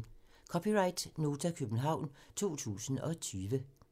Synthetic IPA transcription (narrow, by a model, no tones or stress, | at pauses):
kʰɒpʰiʁɑ̈ɪd̥no̝ːt͡sʰækʰøb̥n̩ɦɑ̈ʊ̰nt͡sʰo̝̰ːt͡sʰṵːsn̩ɒ̽t͡sʰyːʋə